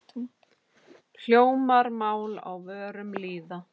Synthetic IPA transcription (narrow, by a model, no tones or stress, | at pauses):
l̥joːwmaɾmaːwla̰wvœːɾʏmliːða